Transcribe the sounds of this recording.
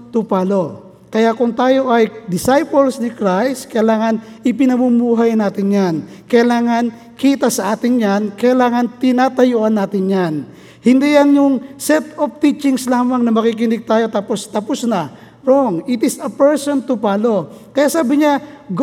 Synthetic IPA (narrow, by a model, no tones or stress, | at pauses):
t̪upalo | kɐjakʊŋt̪aːjo̞ʔɐjd̪ɪsajpolsnikɹajst̪kɐjɪlaːŋɐnɪp̬ɪnɐmumuːɦajnaːt̪ɪnjan | kɐjɪlaːŋɐn | kiːt̪asɐʔaːt̪ɪnjankɐjlaːŋɐnt̪ɪnat̪ɐjoʔɐnːaːt̪ɪnjan | hɪnd̪ijanjʊŋsɛt̪op̚t̪it͡ʃɪŋslaːmɐŋnɐmɐkik̬ɪnɪɡ̚t̪aːjo̞t̪apost̪aposnɐ | ɾoŋɪt̪ɪsɐpɛɹsont̪ʊpaːlo̞kɐjaʔsaːbɪɲaɡ